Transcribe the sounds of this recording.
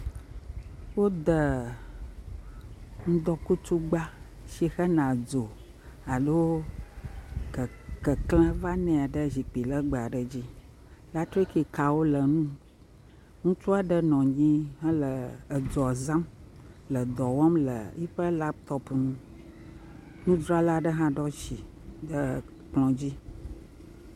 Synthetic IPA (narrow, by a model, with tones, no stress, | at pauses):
wo˦d̪ə˨ | ŋũ˦d̪ɔ˨ku˦tu˦ɡ͡ba˦ | ʃi˦xə˦nã˨d͡zo˨ | a˨lo˦˨ | kə˨klə̃˦va˦nɛ̃˨a˨ɖə˦zi˨k͡pi˨lə˦ɡ͡bə˨a˨ɖə˨d͡ʑi˦ | la˦t̪ɾi˦ki˨ka˨wo˦lə˨nũ˦ | ŋũ˦t͡ʃu˦a˨ɖə˦nɔ̃˨ɲĩ˦ɦə̃˦lə˨ə˨d͡zɔ˨zã˦m | lə˨d̪ɔ˨wɔ˦mlə̰˨i˦ɸə˦la˦p̚t̪ɔ˦pnũ˦ | nũ˦d̪ɾɔ˦a˦la˦ɖə˦ɦã˦ɖɔ˦ʃi˨ | də˦ | k͡plɔ̃˨d͡ʑi˦